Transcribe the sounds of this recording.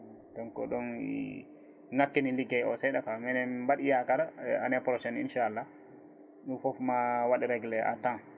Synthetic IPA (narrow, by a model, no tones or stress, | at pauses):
dɔnkɔ̰ɗɔnḭ | ŋakːiniliɡɛɔsɛɗafamɛnɛbaɗijakaɾaanɛpɾɔʃɛnḭnʃaalːa | ɗufɔfmawaɗiɾɛɡlɛʔa̰tan